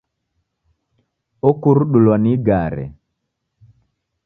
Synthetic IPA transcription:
ɔkuɾuɗulwaniɡaɾɛ̰

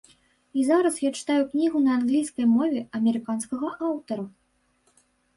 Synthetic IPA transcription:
izaɾɐsjat͡ʂɨ̥t̪ajuknʲiɣunɐːnɣlʲijskɐjmɔvʲɛɐmʲɛɾɨkanskɐɣɐʔawt̪ɐɾu

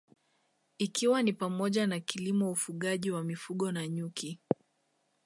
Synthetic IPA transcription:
ikiwanipamɔʄanakilimɔufuɠaʄiwamifuɠɔnaɲuki

